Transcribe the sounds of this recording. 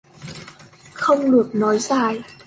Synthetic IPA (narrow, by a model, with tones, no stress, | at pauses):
xə˧wŋ͡mlɨ˨˩ək̚nɔː˨˦jzaː˨˧˩j